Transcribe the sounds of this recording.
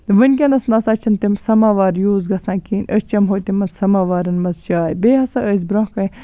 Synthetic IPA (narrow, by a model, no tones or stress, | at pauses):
ʋɨnʲkʲɐnɐsnɐsɐt͡ʃʰɐnt̪imsɐmaːʋaːɾjuːzɡɐsãːkiːnʲʔəst͡ʃɐmɦoːt̪imɐnsɐmaːʋaːɾɐnmɐzt͡ʃaːjbeːɦɐsɐʔəz̬bɾõkɐ